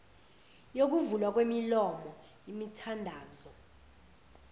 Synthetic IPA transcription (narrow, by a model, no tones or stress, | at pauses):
jok̬uvulwak̬wemilɔmɔ | imitʰandʱaːzɔ